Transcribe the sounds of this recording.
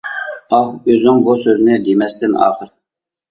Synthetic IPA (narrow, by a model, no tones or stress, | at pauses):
ɑqøzɪŋbusøznɪd̪emɛst̪ɪnɑ̰ːχəɾ